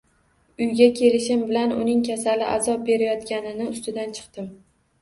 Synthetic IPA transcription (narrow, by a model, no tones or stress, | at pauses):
ʊjɡʲakʲʰe̞lɪʃɪmbɪlanʊ̰nɪŋkʲʰasalɪʔa̰zɒp̚be̞ɾajɒt̪kʲanɪnɪʊst̪ɪd̪ant͡ʃʰɨ̥qt̪ɪm